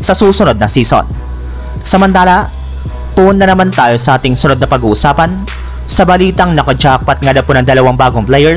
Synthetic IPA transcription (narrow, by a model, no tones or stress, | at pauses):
sɐsuːsʊno̞d̪̚nɐsiːso̰n | sɐmɐnt̪aːlɐ | p̪ʊʔʊnːɐnɐmant̪aːjosɐʔaːt̪ɪŋsʊnod̪̚nɐpɐɡuːʔʊsaːpɐn | sɐbɐliːt̪ɐŋnɐkɐd͡ʒak̚pɐt̪̚ŋɐd̪ɐponɐŋd̪ɐlɐwaŋbaːɡoŋplɛjɛɹ